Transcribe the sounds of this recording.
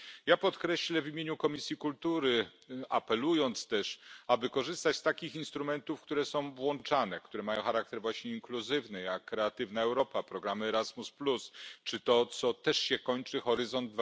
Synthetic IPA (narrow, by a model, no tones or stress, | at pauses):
japɔt̪kɾɛɕlɛvʲimʲjeɲukɔmʲisʲjikult̪uɾɘapɛlujɔnt̪st̪ɛʂabɘkɔʐɘst̪at͡ɕst̪akʲixinst̪ɾumɛnt̪ufkt̪uɾɛsɔ̃w̃vwɔnt͡ʂanɛkt̪uɾɛmajɔ̃w̃xaɾak̚t̪ɛɾvwaɕɲɛiŋkluzɘvnɘjakːɾɛat̪ɘvnaɛwɾɔpapɾɔɡɾamɘɛɾazmusplust͡ʂɘt̪ɔt̪sɔt̪ɛʂɕɛkɔɲt͡ʂɘxɔɾɘzɔnd̪̚v